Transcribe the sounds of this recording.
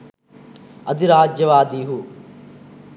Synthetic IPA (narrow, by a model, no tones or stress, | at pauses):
ɐd̪iɾaːd͡ʒjɐʋaːd̪iːɦu